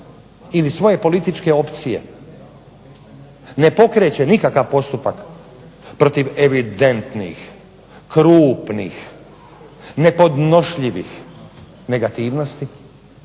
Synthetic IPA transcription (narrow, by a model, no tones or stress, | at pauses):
ilisʋo̞je̞po̞lit̪it͡ʃke̞o̞pt̪sije̞̰ | ne̞po̞kɾe̞ːt͡ɕe̞nikakaʋpo̞st̪upak | pɾo̞t̪iʋeʋid̪e̞nt̪nḭx | kɾuːpnḭx | ne̞po̞d̪no̞ʃʎiʋḭx | ne̞ɡat̪iːʋno̞st̪i